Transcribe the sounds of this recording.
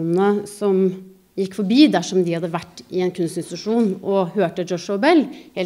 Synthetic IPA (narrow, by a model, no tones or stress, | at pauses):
nnəsɔm | jɪkːfɔɾbiːd̪æʂɔmd̪ɪhɑd̪ːəʋæʈːɪɛnkʰʉnst̪ɪnst̪ɑʂuːnɔhøːʈəd͡ʒɔʂɔːbɛlːheːl